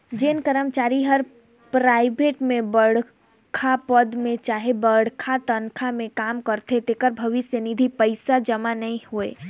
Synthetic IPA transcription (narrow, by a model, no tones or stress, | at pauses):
d͡ʒenkəɾəmt͡ʃaːɾiɦəɾ | pɾaɪbʱeʈmẽbəɽ̤ | kʰapəd̪mẽt͡ʃaːɦebəɽkʰat̪ənkʰamẽkamkəɾt̪ʰet̪ekəɾbʱəʋɪsjənid̪ʱipəɪsad͡ʒəmanəĩhoḛ